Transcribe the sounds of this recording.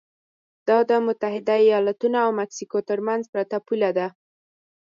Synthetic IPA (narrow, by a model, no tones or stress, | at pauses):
d̪̥ɑd̪əmʊt̪aɦɪd̪aijɑlat̪unoawmaksikot̪əɾmanzpɾat̪apulad̪a